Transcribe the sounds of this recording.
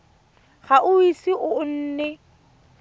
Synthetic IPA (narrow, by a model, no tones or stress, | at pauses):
χaʔʊisiʔʊn̩ːnɛ